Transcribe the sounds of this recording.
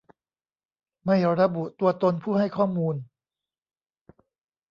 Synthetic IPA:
ma˥˩jɾa˧bu˨˩ʔt̪u˧ɐt̪o˧npʰuː˥˩hɦa˥˩jkʰɔː˥˩muː˧n

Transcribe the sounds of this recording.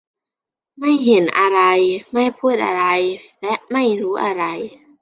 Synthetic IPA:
ma˥˩jɦe˩˦nʔa˧ɾa˧jma˥˩jpʰuː˥˩t̪̚ʔa̰˧ɾa˧jlɛ˦˥ʔma˥˩jɾuː˦˥ʔa˧ɾa˧j

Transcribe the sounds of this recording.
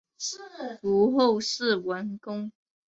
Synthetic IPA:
u˨˥˦xo˥˨˧ʊʂɻ̩˥˨wə˨˦nkʊ˥ŋ

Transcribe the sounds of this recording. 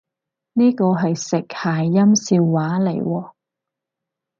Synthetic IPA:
niː˥kɔː˧ɦɐ˨jsɪ˨k̚haː˨˩jːɐ˥msiː˧wːaː˨˥le˨˩jwɔː˧

